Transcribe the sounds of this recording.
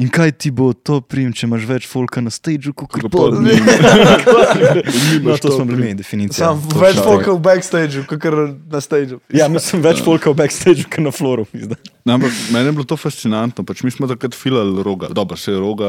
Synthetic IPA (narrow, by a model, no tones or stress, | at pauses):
iŋkajt̪ibot̪opɾimt͡ʃɛmaʃʋɛt͡ʃfoːlkɐnɐst̪ed͡ʒukokəɾ | k | nɔt̪oːsmɔblimed̪ɛfinit̪sijamʋɛt͡ʃfolkawbɛkst̪eɪd͡ʒukokəɾnɐst̪eɪd͡ʒujanisəmʋɛt͡ʃfolkawbɛkst̪eɪd͡ʒukɛɾnɐfloːɾumizd̪anampɐkmɛːnɛjɛblot̪ofast̪sinant̪nɔpat͡ʃmismɔt̪akɾət̪filalɾoːɡa̰d̪ɔbəɾsɛjɾoɡa